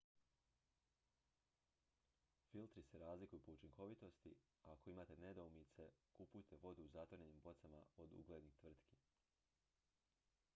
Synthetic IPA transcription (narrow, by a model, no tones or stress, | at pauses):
filt̪ɾise̞ɾaːzlikujupo̞ut͡ʃiŋkʰo̞ʋit̪o̞st̪i | ako̞imaːt̪e̞ne̞d̪oumit̪se̞kupujt̪e̞ʋo̞d̪uːzat̪oɾenimbo̞t̪sama̰o̞d̪ṵɡled̪nixt̪ʋr̩t̪ki̥